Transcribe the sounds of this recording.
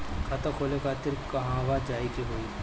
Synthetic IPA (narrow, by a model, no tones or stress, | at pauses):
kʰɐt̪ɐkʰoːlekat̪ɪɾkɐɦãʋad͡ʒaːikiɦoːi